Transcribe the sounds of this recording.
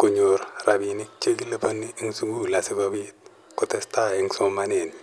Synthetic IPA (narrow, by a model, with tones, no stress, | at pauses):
ku˨ɲo˨ɾra˨bi˨ni˦k̚t͡ʃe˦ɡi˦le˦po˦nːi˦ŋsu˦ɡu˦la˨si˦ko˦bi˦t̚ | ko˨te˦sta˦i˦ŋso˦ma˦ne˨n